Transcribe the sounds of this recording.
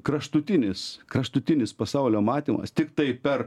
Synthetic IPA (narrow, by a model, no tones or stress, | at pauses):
kɾɐʃt̪ʊt̪ʲɪnʲɪskɾɐʃt̪ʊt̪ʲɪnʲɪspɐsɐʊlʲoːmɑːt̪ʲiːmɐ̰st̪ʲɪkt̪ɐɪpʲɛr